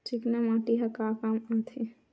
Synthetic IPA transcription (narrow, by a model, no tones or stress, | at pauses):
t͡ʃiknamãʈiɦakakamat̪ʰe